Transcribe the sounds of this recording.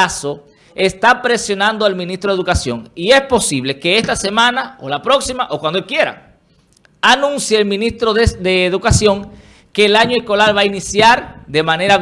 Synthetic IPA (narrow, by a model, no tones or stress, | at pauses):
aso̞ | est̪apɾe̞sjo̞nãnd̪oalmĩnist̪ɾoeðukasjo̞̰ŋie̞spo̞siβle̞ke̞est̪ase̞mãnaolapɾo̞ksimaʔo̞kwand̪oelkje̞ɾa̰ | anũnsjaːlmĩnist̪ɾoðd̪eːðukasjo̞ŋ | ke̞ːlaɲoesko̞laɾβainisjaɾd̪e̞mãne̞ɾa